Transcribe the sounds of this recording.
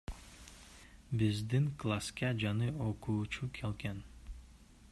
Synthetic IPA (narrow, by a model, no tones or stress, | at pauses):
bɪzd̪iŋklˠaskɑd͡ʒanɯoquːt͡ʃukʰelken